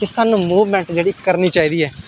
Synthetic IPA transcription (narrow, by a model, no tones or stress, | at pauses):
kɪsaːnũːmuːʋmɛ̃ːɳʈd͡ʒeːɽiːkəɾniːt͡ʃaːiːd̪iːɛː